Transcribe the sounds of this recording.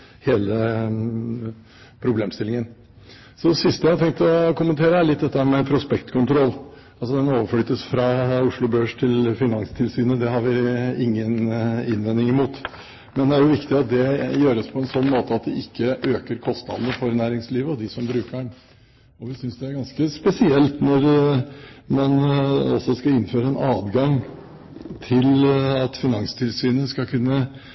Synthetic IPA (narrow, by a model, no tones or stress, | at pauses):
heːlə | pʰɾʊbleːmst̪ɪlːɪŋən | sɔd̪ɛsɪst̪əjæɪhɑt̪ʰɛŋk̚t̪ɔkʊmənt̪ʰeːɾəæɭɪt̪̚d̪ɛt̪ːəhæɾmɛpʰɾʊspɛkt̪kʰʊnt̪ʰɾɔlː | ɑlsɔd̪ɛnoːʋəfɽyːt̪əsfɾɑʊʂɭʊbøːʂt̪ʰɪlfɪnɑŋst̪ʰɪlsyːnəd̪ɛhɑɾʋɪɪŋːənɪnʋɛnːɪŋɪmuːt̪ | mɛnd̪ɛæɾjʊʋɪkt̪ɪɑt̪̚d̪ɛjøːɾəspʰɔɛnsɔnːmoːt̪əɑt̪̚d̪ɛɪkːəʔøːkəɾkʰɔst̪nɑ̰d̪nəfɔɾnæːɾɪŋsliːʋəɔd̪ɪsɔmbɾʉːkəɳ | ɔʋɪsʏnsd̪ɛæɾɡɑnskəspɛsɪɛlt̪nɔɾ | mɑnɔsːɔskɑɪnːføːɾəɛnʔɑːd̪ɡɑŋ | t̪ʰɪlɑt̪fɪnɑŋst̪ʰɪlsyːnəskɑkʰʉnːə